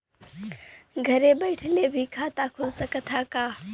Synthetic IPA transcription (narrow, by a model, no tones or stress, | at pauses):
ɡʱɐɾebəɪʈʰlebʱikʰaːt̪akʰʊlsəkət̪ʰakaː